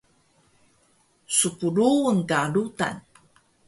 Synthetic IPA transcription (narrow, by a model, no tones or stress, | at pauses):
supuɾuunkaɭuta̰n